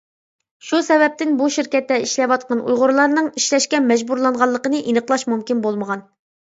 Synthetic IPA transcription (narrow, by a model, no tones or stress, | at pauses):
ʃusɛvɛp̚t̪ɪnbuʃiɾkʲɛt̪ːɛiʃlɛvɑt̪̚qɑnʔṵjʁʊɾlˠɑɾnɨŋiʃlɛʃkʲɛmɛd͡ʒbuɾlˠɑɴʁɑlˠːəqənɨʔinəqlˠɑʃmumkʲinbolˠməʁɑn